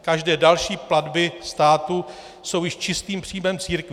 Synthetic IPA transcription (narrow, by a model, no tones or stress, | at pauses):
kaʒdɛːdalʃiːpladbɪst̪aːt̪u | so̞wjɪʃt͡ʃɪst̪iːmpr̝̥iːmɛmt͡siːɾkvɪ